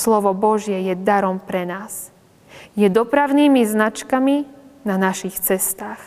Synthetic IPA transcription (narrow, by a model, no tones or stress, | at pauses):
slɔʋɔbɔʒjɛjɛd̪aɾɔmpɾɛnaːs | jɛd̪ɔpɾaʊniːmiznat͡ʃkaminanaʃixt͡sɛst̪aːx